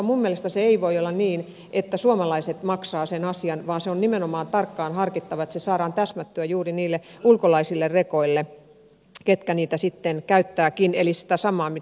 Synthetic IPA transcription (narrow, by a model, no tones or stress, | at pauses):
mumːielest̪æseeiʋoiolːɑniːn | ʔet̪ːæsuomɑlɑiset̪mɑksɑːsenɑsiɑnʋɑːnseonnimenomɑːnt̪ɑrkːɑːnhɑrkit̪ːɑʋɑet̪sesɑːɾɑːnt̪æsmæt̪ːyøjuːriniːlːeulkolɑisilːerrekoilːe | ket̪kæniːt̪æsit̪ːenkæyt̪ːæːkinḛlisi̥t̪æsɑmˑɑːmi